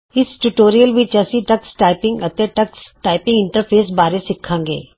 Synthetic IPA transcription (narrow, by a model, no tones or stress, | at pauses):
ɪsʈuʈoːɾijəlʋɪt͡ʃɐsiʈɐksʈaːɪpɪ̃ŋɡɐt̪eʈɐksʈaːɪpɪ̃ŋɡɪ̃ɳʈəɾpʰeːsbaːɾesɪkʰːãːŋɡḛː